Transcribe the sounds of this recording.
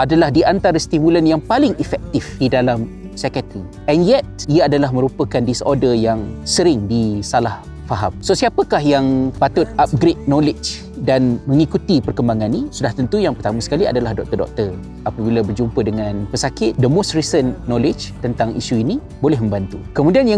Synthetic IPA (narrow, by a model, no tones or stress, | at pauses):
ʔadalahdiʔant̪aɾəst̪imulənjaŋpalɪŋifɛk̚t̪ɪfdidalam | sɛkat̪ni | ɛnjɛt̪̚iaadalahmə̃ɾupəkandɪsɔ̰dəjaŋsəɾɪŋdisalah | faɦamsosiapəkahjaŋpat̪ʊt̪̚ap̚ɡɾet̪̚nolɪd͡ʒ | danməŋikut̪ipərkəmbaŋãnːisudaht̪ənt̪ujaŋpərt̪amasə̥kalia̰dalahdɔk̚t̪ərdɔ̰k̚t̪ər | apəbilabərd͡ʒumpədəŋanpəsakɪt̪̚dəmostrisənːolɪd͡ʒt̪ənt̪aŋʔḭsuini | bolɛɦmə̃mbant̪ukəmudianjaŋ